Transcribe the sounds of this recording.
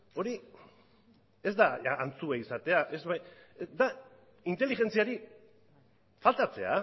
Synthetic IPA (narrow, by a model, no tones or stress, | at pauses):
o̞ɾi | e̞zd̪aːnt͡sueisat̪e̞aʔezβajd̪a | int̪e̞lixe̞nt͡siaɾi | falt̪at͡se̞̰a̰